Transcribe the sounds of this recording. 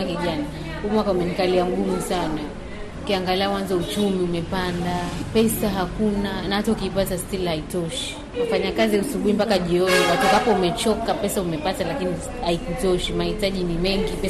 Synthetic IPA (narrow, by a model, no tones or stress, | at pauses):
akɛʄana | umwakaumɛnikaliaŋɡumusana | ukiaŋɡaliakwanzaut͡ʃumiumɛpandapɛsaɦakunanahataukiːpatastilhaitɔʃi̥ | afaɲakaziusuɓuimpakaʄiɔniwatukapɔumɛt͡ʃɔkapɛsaumɛpatalakini | haikutɔʃimahitaʄinimɛŋɡipɛ